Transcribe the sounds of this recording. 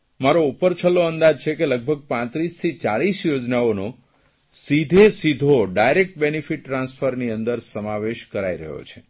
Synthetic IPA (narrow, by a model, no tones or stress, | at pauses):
maɾoupəɾt͡ʃʰəlːoənd̪ad͡ʒt͡ʃʰekeləɡ̚bʱəɡ̚pãt̪ɾist̪ʰit͡ʃaɭisjod͡ʒnaono | sid̪ʱesid̪ʱoɖajɾek̚ʈ̚benifiʈːɾãnsfʰəɾniənd̪əɾsəmaʋeʃkəɾaiɾə̰ɦjo̰t͡ʃʰe̥